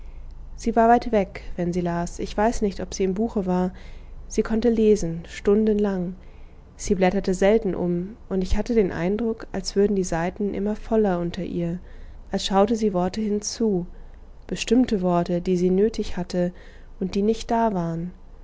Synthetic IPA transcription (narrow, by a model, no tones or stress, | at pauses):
z̥iːvaːɐvaɪtv̥ɛkv̥ɛnziːlaːsʔɪçv̥aɪsnɪçtɔpz̥iːɪmbuːxəvaːɐz̥iːkʰɔntəleːzn̩ʃtʊndənlaŋ | z̥iːblɛtɐtəzɛltn̩ʔʊ̰mʔʊntɪçhatədeːnʔa̰ɪndʁʊkʔalsv̥ʏɐdn̩diːzaɪtn̩ʔɪ̰mɐfɔlɐʔʊntʰɐʔḭːɐ | ʔalsʃaʊtəziːvɔɐtəhɪnt͡suː | b̥əʃtɪmtəvɔɐtədiːziːnøːtɪçhatʰə | ʔʊnt̚d̥iːnɪçt̚d̥aːvaːʁən